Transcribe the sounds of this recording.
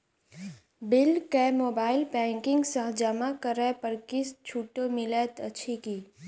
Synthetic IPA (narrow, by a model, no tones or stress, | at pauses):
bɪlkemoːbaːɪlpɛ̃ːŋkɪ̃ŋɡsaɦd͡ʒamakəɾɛpəɾkɪst͡ʃʰuːʈːomɪlɛt̪ətːʃʰikiː